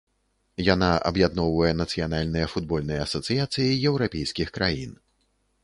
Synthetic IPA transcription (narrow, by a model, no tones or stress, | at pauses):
janaʔɐ̰bjad̪nɔwvɐjɛnɐt̪sɨjanalʲnɨjɛfud̪̚bɔlʲnɐjɐɐsɐt̪sɨjat̪sɨjijɛwɾapʲɛjskʲixkɾʔajin